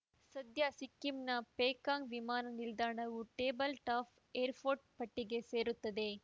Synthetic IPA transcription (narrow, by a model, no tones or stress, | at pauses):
sɐd̪jasɪkːimnɐpeːkaːŋʋɪmaːnɐnɪld̪aːnɐʋɯʈeːbɐlʈaːf | eːɾfoːɾʈ̚pɐʈːɪɣeseːɾɯt̪ːɐðeː